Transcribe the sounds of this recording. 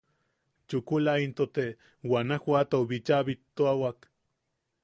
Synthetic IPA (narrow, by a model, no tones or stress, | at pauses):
t͡ʃukulaint̪ot̪e | wanahʷat̪oβit͡ʃaβit̪ːoawak